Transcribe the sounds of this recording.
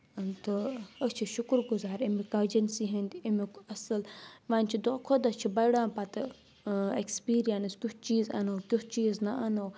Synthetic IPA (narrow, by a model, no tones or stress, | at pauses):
t̪ɨəst͡ʃʰiʃʊkɾɡuzaːɾimikɐd͡ʒɐnsiɦɐnd̪iimikɐsɨlʋaːnʲt͡ʃʰid̪okʰod̪ɐst͡ʃʰibɐjɽãːpɐt̪ɨ | ekspiːɾijɐnskʲut͡ʃt͡ʃiːzɐ̰nɐwkʲut͡ʃiːznɐʔɐnɐw